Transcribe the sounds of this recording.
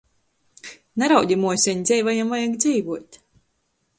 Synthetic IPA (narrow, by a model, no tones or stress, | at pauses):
naɾawd̪ʲimuɔsʲɛɲd̪zʲɛjvajamvajakd̪zʲiːvuɔt̪ʲ